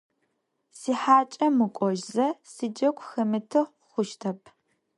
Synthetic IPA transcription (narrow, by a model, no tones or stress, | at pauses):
siːħaːt͡ʃʼɐmɨkʷʼɔʒzɐsid͡ʒɐkʷʰʼxɐmɨtʰɨ | χʷʊʃtʰɐpʰ